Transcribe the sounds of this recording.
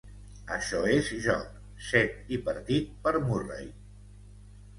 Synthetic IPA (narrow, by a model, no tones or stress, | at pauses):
əʃɔezʒɔ̰k | sɛt̪ipəɾt̪it̪̚pəɾmurḛj